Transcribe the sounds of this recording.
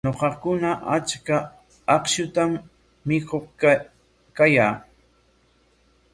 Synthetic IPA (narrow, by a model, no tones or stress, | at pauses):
ɲoqɑkʊnaʔat͡ʃka | ɑqʃʊt̪amː | ɪkoq | kajaː